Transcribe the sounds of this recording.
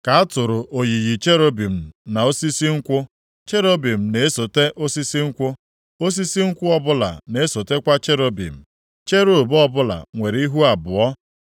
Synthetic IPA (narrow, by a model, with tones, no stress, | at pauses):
ka˨a˦tʊ˨ɾʊ˨ʔo˨ji˨ji˨t͡ʃe˦ɾo˦bi˨m̩˨na˨o˦si˦si˦ŋ̩˦kʷʊ˦ | t͡ʃe˦ɾo˦bi˨m̩˨ne˨e˦so˨te˦ʔo˦si˦si˦ŋ̩˦kʷʊ˦ | o˦s̬i˦si˦ŋ̩˦kʷʊ˦ɔ˦bʊ˦la̰˨ne˨e˦so˨te˦kʷa˦t͡ʃe˦ɾo˦bḭ˨m̩˨ | t͡ʃe˦ɾo˨bɔ˦bʊ˦la̰˨ŋʷe˨ɾi˦ɦu˦a˨bʊ˨ɔ˦